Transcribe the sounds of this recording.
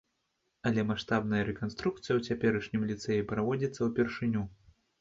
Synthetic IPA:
ɐlʲɛmaʂt̪abnɐjɐɾɛkanst̪ɾuk̚t̪sɨjɐwt͡sʲapʲɛɾɐʂnʲimlʲit̪sɛjipɾavɔd͡zʲit̪sːɐwpʲɛrʂɨnʲu

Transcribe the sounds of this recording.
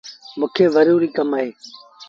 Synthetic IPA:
mʊ̃ːkʰeːʋəɾjuːɾiːkəmaːɦeː

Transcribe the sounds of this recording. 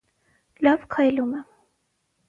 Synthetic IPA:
lɑvkʰɑjlumɛ

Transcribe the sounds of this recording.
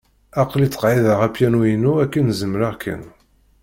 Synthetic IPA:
ɑqlit͡sːə̥qʕiðəʁæpjænujinuækːənzəmːɾaʁkʰːə̰n

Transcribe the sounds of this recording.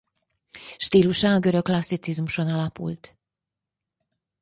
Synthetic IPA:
ʃt̪iːluʃɒɡøɾø̞kːlɒsːit̪sizmuʃo̞nɒlɒpṵlt̪

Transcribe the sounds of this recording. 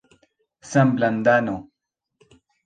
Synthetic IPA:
sɐmbland̪ano

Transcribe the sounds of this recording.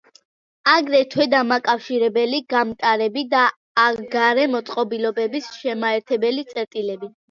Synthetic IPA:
aɡɾɛt̪ʰwɛd̪amakʼafʃiɾɛbɛliɡamt̪ʼaɾɛbid̪aː | ɡaɾɛmɔt̪sʼqʼɔbilɔbɛbisʃɛmaɛɾt̪ʰɛbɛlit̪sʼɛɾt̪ʼilɛbi

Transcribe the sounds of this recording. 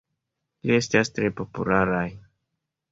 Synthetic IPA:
liest̪ast̪ɾepo̞pṵlaɾaj

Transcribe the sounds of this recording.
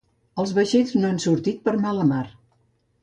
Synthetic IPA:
əlˠzβəʃeznoansuɾt̪it̪̚pəɾmaləmaɾ

